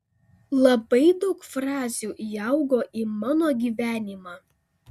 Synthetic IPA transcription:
lˠɐbɐɪd̪ɒʊkfɾɑːzʲuːjɐˑʊɡoːʔiːmɑːnoːɡʲiːʋʲæːnʲɪmɑː

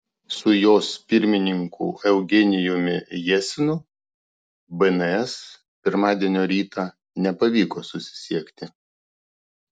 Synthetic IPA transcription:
sʊjoːspʲɪɾʲmʲɪnʲɪŋkʰṵːɛʊɡʲɛnʲɪjʊmʲɪjɛsʲɪnʊ | bɛnɛɛs | pʲɪɾmɑːd̪ʲiɛnʲoːɾʲiːt̪ɑː | nʲɛpɐʋʲiːkoːsʊsʲɪ̥sʲiɛkʲt̪ʲɪ

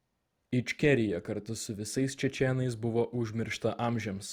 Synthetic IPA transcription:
ɪt͡ʃʲkʲɛɾʲɪjɛkɐɾt̪ʊsʊʋʲɪsɐɪst͡ʃʲɛt͡ʃʲɛnɐɪs̬bʊʋoːʔʊʒʲmʲɪɾʃt̪ɐʔɑːmʲʒʲɛms

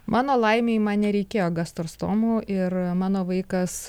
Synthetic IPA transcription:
mʔɑːnoːlˠɐɪmʲeɪmɐnnʲɛɾʲɛɪkʲeːjoːɡɐst̪oɾst̪oːmuːʔɪrmɑːnoːʋɐɪkɐs

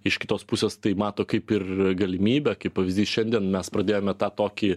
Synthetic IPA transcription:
ɪʃkʲɪ̥t̪oːspusʲeːst̪ɐɪmɑːt̪oːkɐɪpɪrɡɐlʲɪmʲiːbʲɛkɐɪppɐʋʲɪzʲd̪ʲiːsʃʲɛnʲd̪ʲiɛnmʲɛspɾɐd̪ʲeːjoːmʲɛt̪ɑːt̪oːkʲi

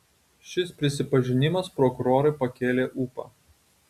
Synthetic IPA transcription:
ʃʲɪspʲɾʲɪsʲɪpɐʒʲɪnʲɪmɐspɾɔkʊɾoːɾɐɪpɐkʲeːlʲeːʔuːpɐ̰

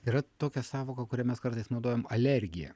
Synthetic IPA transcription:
iːɾɐt̪oːkʲɛsɑːʋoːkɐkʊɾʲɛmʲɛskɐɾt̪ɐɪsnɒʊd̪oːjɛmɐlʲɛɾʲɡʲɪjɛ̰

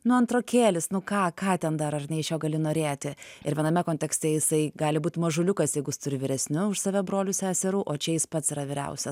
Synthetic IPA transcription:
nʊɐnt̪ɾoːkʲeːlʲɪsnʊkɑːkɑːt̪ʲɛnd̪ɐɾɐrʲnʲɛɪʃjoːɡɐlʲɪnoːɾʲeːt̪ʲɪɪɾʋʲiɛnɐmʲɛkoːnʲt̪ʲɛksʲt̪ʲɛjɪsɐɪɡɑːlʲɪbuːt̪ʲmɐʒʊlʲʊkɐsjɛɪɡʊɪst̪ʊɾʲɪʋʲɪɾʲɛsʲnʲʊʊʃsɐʋʲɛbɾoːlʲʊsʲæːsʲɛɾuːʔoːt͡ʃʲɛjɪspɐt̪sɪɾɐʋʲɪɾʲɛ̰ʊsʲɛ

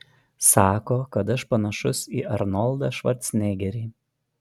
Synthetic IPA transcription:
sɑːkoːkɐt̪ɐʃpɐnɐʃʊsiːʔɐɾnɔlˠˑd̪ɑːʃʋɐɾʲt̪snʲeːɡʲɛɾʲiː

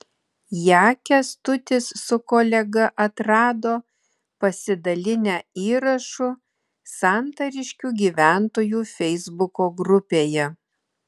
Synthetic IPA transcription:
jæːkʲɛst̪ʊt̪ʲɪsːʊkoːlʲɛɡɐʔɐt̪ɾɑːd̪oː | pɐsʲɪd̪ɐlʲɪnʲæːiːɾɐʃʊ | sɑˑnt̪ɐɾʲɪʃʲkʲuːɡʲiːʋʲæˑnt̪oːjuːfʲɛɪzbʊkoːɡɾʊpʲeːjɛ

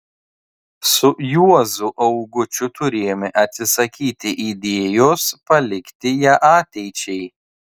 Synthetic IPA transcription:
sʊjuɔzʊʔɐʊɡʊt͡ʃʲʊt̪ʊɾʲeːjomʲɪʔɐt̪ʲsʲɪsɐkʲiːt̪ʲɪʔid̪ʲeːjoːspɐlʲɪkt̪ʲɪjɛʔɑːt̪ʲɛɪt͡ʃʲɛɪ

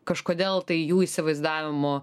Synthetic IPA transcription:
kɐʃkoːd̪ʲeːlˠt̪ɐɪjuːisʲɪʋɐɪzd̪ɑːʋʲɪmoː

